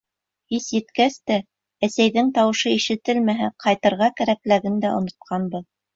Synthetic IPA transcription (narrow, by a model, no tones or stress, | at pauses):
hisjɘ̆t̪kæst̪æ | æsæjðɘŋt̪ɑwɤ̆ʃɤiʃɘ̆t̪ɘlmæɦæqʰɑjt̪ɤ̆ɾʁɑkæɾæklæɡɘnd̪æʔŏ̰nŏt̪̚qʰɑnbɤð